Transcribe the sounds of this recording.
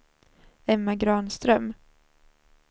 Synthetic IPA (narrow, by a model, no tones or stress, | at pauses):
ɛmːaɡɾɑːnst̪ɾœm